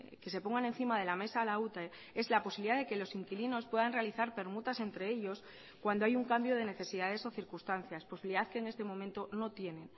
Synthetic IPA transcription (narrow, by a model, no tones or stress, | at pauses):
ke̞se̞po̞ŋɡane̞nθimað̞e̞lame̞saːlaut̪a | e̞zlaposiβliðaðeke̞lo̞siŋkilino̞spwe̞ðanre̞aliθaɾpe̞ɾmut̪ase̞nt̪ɾe̞eʎo̞s | kwand̪oajuŋkambjo̞ð̞e̞ne̞θe̞siðað̞e̞so̞θiɾkust̪anθjasposiβiliðaðkeːŋe̞st̪e̞mõ̞mẽnt̪o̞no̞t̪je̞nẽ̞n